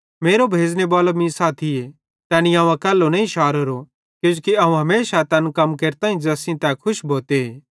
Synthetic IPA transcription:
meːɾobʱeːd͡znebɐːləmĩːsaːt̪ʰie | t̪ɛːnijãːʋãkɛːlːonɐĩʃaːɾəɾo | kjũd͡ʒukiɐũɦɐmeːʃat̪ɛːnkɐmkeːɾt̪ãːĩd͡ʒɛːsĩt̪ɛkʰʊʃbʱoːt̪eeː

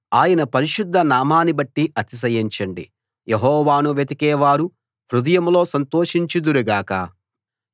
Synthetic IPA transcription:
aːjɐnɐpɐɾiʃud̪ʱːɐnaːmaːnibɐʈːiʔɐt̪is̬ɐjiɲt͡ʃɐɳɖḭ | jeɦɔːʋaːnuʋjet̪ikɛːʋaːɾu | ɦɾud̪ɐjɐmlo̞ːsɐnt̪oːʂiɲt͡ʃid̪uɾuɡaːkɐ̰

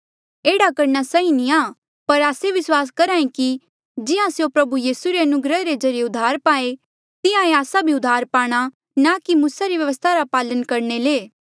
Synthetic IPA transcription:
eːɽakɐɾñasaːĩnĩaː | pɐɾaːseʋɪswaːs̬kɐɾãːĩki | d͡ʒɪãsjopɾɐbujiːsuɾeɐnʊɡɾəɾed͡ʒɐɾijeʊd̪ʱaːɾpaːe | t̪ɪjãeaːsabʱiʊd̪ʱːaːɾpaːɽ̃a | nakimuːsaɾiʋjɐʋəst̪ʰaɾapaːlənkɐɾneleː

